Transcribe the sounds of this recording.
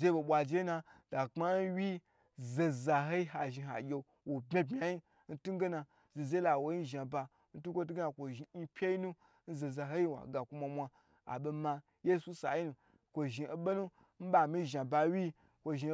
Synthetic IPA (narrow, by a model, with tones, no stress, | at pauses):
ze˦bo˨ɓʷa˨d͡ʒe˦na˧d̥a˨k͡pa˦n̩˦wʲi˦ | ze˨za˨ɦo˦i˦ɦa˨ʒi˧ɦa̰˨ɡʲe˧ | wo˨bʲe˦bmʲa˨ji˦ | n̩˦tu˦ɡe˦na˧ | ze˨ze˦la˨wo˨ji˦n̩˦ʒa˨ba˧ | n̩˦tu˦kʷo˦t̬u˦ɡna˨kʷo˨ʒi˨˦pʰʲe˦i˦nu˦ | n̩˦ze˨za˨ɦo˦ji˦wa̰˨ɡa˨kʷu˦ma˧mʷa˧ | a̰˨ɓe˧ma˧ | je˦su˦sa̰˨ji˦nu˨ | kʷo˨ʒi˨e˨ɓo˦nu˦ | n̩˦ɓa˨mi˦ʒa˨ba˧wʲi˦ | kʷo˧ʒi˧˦